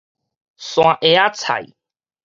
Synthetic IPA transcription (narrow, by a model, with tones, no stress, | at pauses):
sw̃ã˨ʔe˧a˦t͡sʰa̰˨ḭ˨